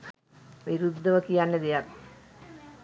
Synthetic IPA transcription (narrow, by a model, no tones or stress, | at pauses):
ʋiɾud̪ʱːɐʋəkijanːed̪ijak